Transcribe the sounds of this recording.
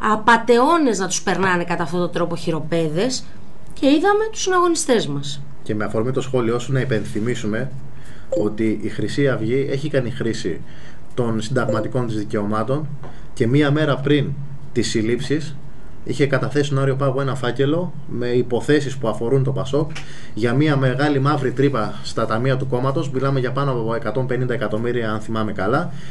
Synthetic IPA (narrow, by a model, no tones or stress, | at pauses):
ɐpɐt̪e̞o̞ne̞znɐt̪u̥spe̞ɾnɐne̞kɐt̪ɐft̪ot̪od̪ɾo̞po̞çiɾo̞pe̞ðe̞s | ce̞iðɐme̞t̪u̥sinɐɣo̞nist̪e̞zmɐs | ce̞me̞ɐfo̞ɾmit̪o̞sxo̞lio̞sunɐipe̞nθimisume̞ | o̞t̪iʔːxɾisiɐvʝie̞çikɐnixɾisḭ | t̪o̞nsind̪ɐɣmɐt̪iko̞nt̪izðice̞o̞mɐt̪o̞n | ce̞miɐme̞ɾɐpɾin | t̪isilipsis | içe̞kɐt̪ɐθessit̪onɐɾio̞pɐɐpoe̞nɐfɐce̞lo̞ | me̞ipo̞θe̞sispuɐfo̞ɾunt̪o̞pɐso̞k | ʝɐmiɐme̞ɣɐlimɐvɾit̪ɾipɐ | st̪ɐt̪ɐmiɐt̪uko̞mɐt̪o̞zmilɐme̞ʝɐpɐnoɐpoe̞kɐt̪o̞mpe̞nind̪ɐekɐt̪o̞miɾiɐɐnθimɐme̞kɐlɐ